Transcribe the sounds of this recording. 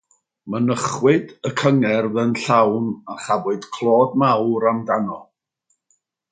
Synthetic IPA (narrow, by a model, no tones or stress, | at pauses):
mənəχwɪdəkʰəŋɛrðənɬawnaχavɪd̥kʰlˠɔːdmawɾamdanɔ